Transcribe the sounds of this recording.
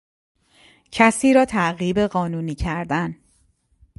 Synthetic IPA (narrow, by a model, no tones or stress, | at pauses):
cʰæsiːɾɒːt̪ʰæɣiːbeɢɒːnuːniːcʰæɾd̪æn